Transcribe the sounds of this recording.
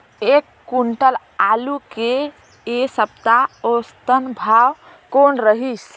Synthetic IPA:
ekːuɳʈəl | aluke | esəb̚t̪aost̪ənbʱaw | konɾəɦis

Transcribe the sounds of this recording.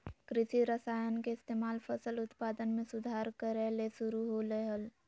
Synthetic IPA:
kɾɪʃiɾəsaːjənkeɪst̪eːmaːlpʰəsəlʊt̪paːd̪ənmẽsʊd̪ʱaːɾkəɾelesʊɾuɦoleɦəl

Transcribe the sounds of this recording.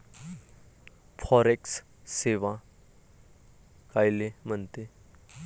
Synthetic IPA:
fʰɔɾeks | seʋa | kajlem̤əɳt̪e

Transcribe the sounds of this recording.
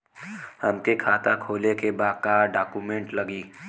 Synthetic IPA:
hɐmkekʰaːt̪akʰoːlekebaːkaːɖaːkumẽɳʈlɐɡiː

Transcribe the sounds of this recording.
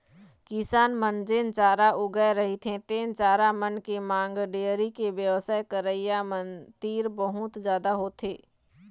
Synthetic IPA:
kɪsaːnmənd͡ʒeːnt͡ʃaːɾaʔʊɡəeɾəɦit̪ʰẽt̪eːnt͡ʃaːɾamənkemãːŋɡɖeːəɾikeʋjəwsaːjkəɾəɪjamənt̪iːɾbəɦʊt̪d͡ʒjaːd̪aɦoːt̪ʰeː

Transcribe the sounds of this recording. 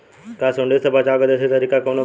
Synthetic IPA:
kasoɳɖesəbʱat͡ɕaɡəd̪əset̪əɾikakonə

